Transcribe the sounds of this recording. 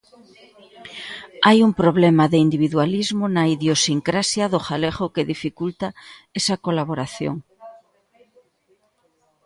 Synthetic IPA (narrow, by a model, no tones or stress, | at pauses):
ajumpɾoβlemaðeind̪iβiðwalizmonaiðjosiŋkɾasjaðoxaleɣokeðifikult̪aesakolaβoɾaθjo̰ŋ